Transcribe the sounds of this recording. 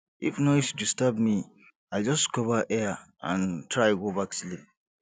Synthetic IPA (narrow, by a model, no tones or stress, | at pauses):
ʔifnɔjsdistabmi | ajld͡ʒɔskɔvəʔɛaʔã̰ntʰɹaɡobakslip̚